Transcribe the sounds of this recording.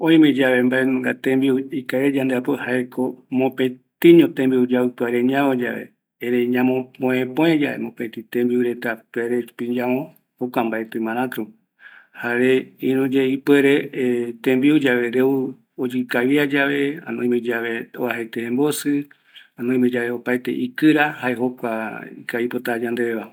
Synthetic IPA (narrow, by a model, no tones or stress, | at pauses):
õĩmẽd͡ʒaβe̞mbaenũŋɡat̪ẽmbiuikaeɾed͡ʒãnd̪eapohaekʰomõpet̪ĩɲõt̪ẽmbiud͡ʒaɨpɨaɾeɲãβõd͡ʒa̰ʋḛ | eɾeɲãmõpõẽpõẽd͡ʒaḛmõpẽt̪ĩt̪ẽmbiuɾet̪apeɾepiɲd͡ʒãõ | okʷambaet̪ɨ̃mãɾ̃ãt̪ɾũ | haɾeĩɾũd͡ʒeipweɾet̪ẽmbiud͡ʒaʋeɾeu | od͡ʒɨkaβiad͡ʒaβeã̰nõĩj̃med͡ʒaβeoaɦet̪ehẽmbosɨ | ãnõj̃mẽd͡ʒaβeopajt̪e̞̰ʔikɨɾahaeɦokʷaikaipot̪ad͡ʒãnd̪eeβa